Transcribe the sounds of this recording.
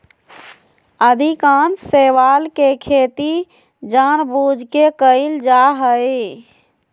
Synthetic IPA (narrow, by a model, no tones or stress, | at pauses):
əd̪ʱikanseʋalkekʰet̪i | d͡ʒanbud͡ʒʱkekəɪld͡ʒaɦəɪ